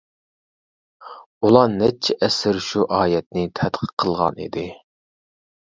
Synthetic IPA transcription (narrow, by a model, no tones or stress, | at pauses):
ulˠɑnɛt͡ʃʰːɛʔɛsɪɾʃuʔɑːjɛt̪̚nɪt̪ʰɛt̪qʰə̥qʰəlˠʁɑ̰nḭd̪ɪ